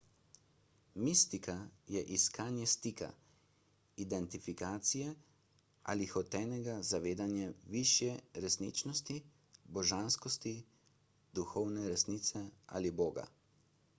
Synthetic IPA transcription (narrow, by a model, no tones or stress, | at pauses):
mist̪ikajɛʔiskaːnjɛst̪ika̰ | id̪ɛnt̪ifikaːt̪sijɛ | a̰lixɔt̪ɛːnɛɡazaʋeːd̪anjɛʋiʃjɛɾɛsnḭːt͡ʃnɔst̪i | bɔʒanskɔst̪i | d̪uxɔwnɛɾɛsniːt̪sɛa̰liboːɡa̰